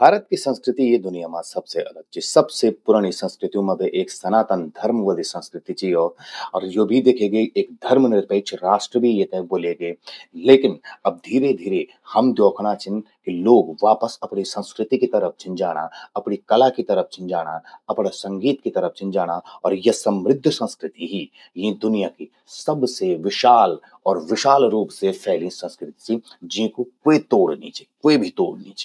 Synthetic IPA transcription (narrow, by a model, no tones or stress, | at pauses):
bʱaːɾət̪kisɐ̃nskɾɪt̪ijed̪ʊnijamãsɐbseʔɐləɡ̚t͡ʃʰisɐbsepʊɾaɽ̃isə̃nskɾɪt̪jõmẽbʱiʔeːksɐnaːt̪ənd̪ʱɐɾmʋəd̪isɐ̃nskɾɪt̪it͡ʃʰiɔːɾɔːɾjoːbʱid̪eːkʰeːɡeʔeːkd̪ʱɐɾmnɪɾpəːt͡ʃʰɾaːʃʈɾəbʱijet̪ɛboːleɡeːleːkɪnɐb̚d̪ʱiːɾed̪ʱiːɾe | hɐmd̪joːkʰɽat͡ʃʰɪn | kiloːɡʋaːpəsɐpnisə̃nskɾɪt̪ikit̪ɐɾəp̚ʰt͡ʃʰɪ̃nd͡ʒaːɽ̃a̰ɐpnikɐlakit̪ɐɾəp̚ʰt͡ʃʰɪ̃nd͡ʒaːɽ̃aɐpnasɐ̃ŋɡiːt̪kit̪əɾəp̚t͡ʃʰɪ̃nd͡ʒaːɽ̃aɔːɾjɐsɐmɾɪd̪ʱːsə̃nskɾɪt̪iɦi | jĩd̪ʊnijaki | sɐbseʋɪʃaːl | ɔːɾʋɪʃaːlɾuːpsepʰɛːlĩsə̃nskɾɪt̪i̥sid͡ʒĩkokoet̪oːɽnḭt͡ʃʰe̥koebʱit̪oːɽniːt͡ʃʰe̥